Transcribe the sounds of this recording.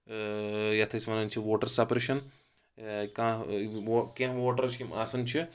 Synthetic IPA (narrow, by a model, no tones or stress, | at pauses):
jɐt̪ʰɐsʋɐnɐnt͡ʃʰiʋoːʈɐɾsɐpɾeːʃɐn | kãːokʲẽɦʋoːʈɐɾt͡ʃʰkimaːsɐnt͡ʃʰi